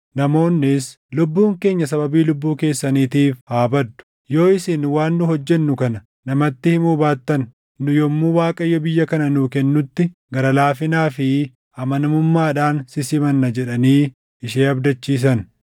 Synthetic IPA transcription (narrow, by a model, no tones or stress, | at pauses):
nɐmo̞ːnːɪs | lʊbːuːŋke̞ːɲːɐsɐbɐbiːlʊbːuːke̞ːsːɐniːt̪iːfhaːbɐd̪ːʊ̥ | jo̞ːɪsɪnwaːnːʊhɔd͡ʒːɛnːʊkɐnɐ | nɐmɐt̪ːɪhɪmuːbaːt̪ːɐn | nʊjɔmːuːwaːkʼɐjːɔbɪjːɐkɐnɐnuːkɛnːʊt̪ːɪɡɐɾɐlaːfɪnaːfɪ | ʔɐmɐnɐmʊmːaːᶑaːnsɪsɪmɐnːɐd͡ʒɛᶑɐniː | ɪʃeːɐbd̪ɐt͡ʃːiːs̬ɐn